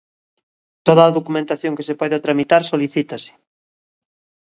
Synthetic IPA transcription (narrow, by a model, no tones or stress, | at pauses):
t̪oðaːðokumẽnt̪aθjoŋkesepɔðat̪ɾamit̪aɾsoliθit̪asɪ̥